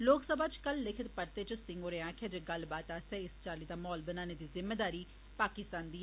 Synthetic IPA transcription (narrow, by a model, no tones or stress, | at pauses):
loːksəbʱaːt͡ʃkəlːɪkʰət̪pəɾt̪eːt͡ʃəsɪ̃ŋɡoːɾeãːkʰad͡ʒeɡəlbaːt̪aːsɛːɪst͡ʃaːliːt̪aːmɔːlbənaːneːd̪iːzɪmːeːd̪aːɾiː | paːkɪst̪aːnd̪iː